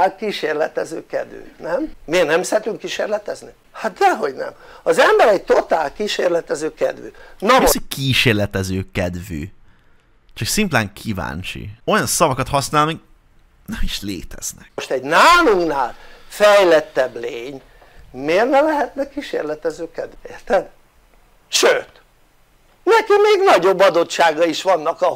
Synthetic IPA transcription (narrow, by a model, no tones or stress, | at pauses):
alkiʃeːrlɛt̪ɛzøːkɛ̰d̪y̰ːt̪nɛmmeːrnɛmsɛɾɛt̪yŋkːiʃḛːrlɛt̪ɛzni | hat̪̚d̪ɛɦo̞ɟnɛ̰mɒzɛmbɛɾɛɟ̚t̪o̞t̪aːlkiʃeːrlɛt̪ɛzøːkɛ̰d̪vy̰ːnɒsikʰiːʃeːrlɛt̪ɛzøːkɛd̪vy̰ː | t͡ʃɒksimt̪lɛŋkʰiva̰ːnt͡ʃḭo̞jɒnsɒvɒkɒt̪hɒsnaːlnik | nɛmiʃlḛːt̪ɛ̰z̥nɛkʃt̪ɛɟnaːluŋnaːlfɛjlɛt̪ːɛbleːɲ | meːrnɛlɛɦɛt̪nɛkiːʃḛːrlɛt̪ɛzøːkɛd̪ert̪ɛn | ʃøːt̪ | nɛkimeːɡnɒɟo̞bːɒd̪o̞tʃaːɡɒiʃʋɒnːɒkɒ